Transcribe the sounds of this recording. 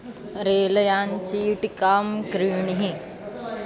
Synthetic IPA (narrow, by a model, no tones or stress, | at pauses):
ɾeːlɐjaːnt͡ʃiːʈikaːmkɾiːɳiɦĩ